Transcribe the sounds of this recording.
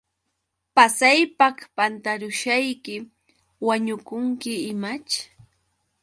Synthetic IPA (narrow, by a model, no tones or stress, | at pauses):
pasajpakpant̪aɾʊʃajkɪ | waɲʊkʊŋkɪɪmat͡ʃ